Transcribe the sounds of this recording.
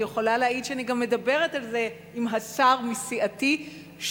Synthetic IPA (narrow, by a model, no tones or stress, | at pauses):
jeχo̞laleaidʃeaniɡamːe̞dabe̞ʁetalze̞ | imɦasaʁmisiʔati | ʃ